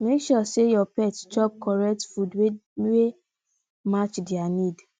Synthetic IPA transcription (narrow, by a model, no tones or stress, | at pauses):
mekʃɔsejɔpɛtd͡ʒɔp̚kɔɹɛk̚tfudwewe | mat͡ʃdianĩd